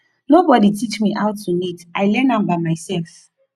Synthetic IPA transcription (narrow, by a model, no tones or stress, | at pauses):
nobɔditʰit͡ʃmiʔaʊtʰːunitajlɛ̃nãmbaɪmaɪsɛlf